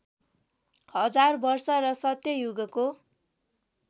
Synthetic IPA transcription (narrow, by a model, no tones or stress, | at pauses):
hʌd͡zarbʌrsʌrʌsʌt̪jʌjuɡʌko